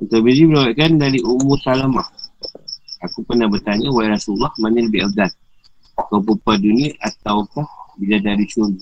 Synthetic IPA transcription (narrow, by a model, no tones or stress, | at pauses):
ut̪abidibəɾawaʔkandaɾiʔumʊrsalamah | akupərnahbərt̪aɲawalaɾasulːɔhmanaləbɪhəɡat̪̚ | kawpupadunaʔat̪awkahbiladaɾit͡ʃun